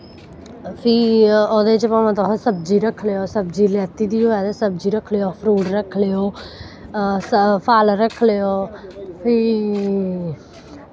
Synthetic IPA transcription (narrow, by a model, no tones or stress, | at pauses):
pʰiːoːd̪eːt͡ʃpaːmãːt̪oːɦsəbd͡ʒiːɾəkʰleːoːsəbd͡ʒiːlɛːt̪iːd̪iːoːɛːd̪eːsəb̚d͡ʒiːɾəkʰleːoːpʰɾuːʈɾəkʰːleːoː | əpʰaːlɾəkʰleːoːpʰiː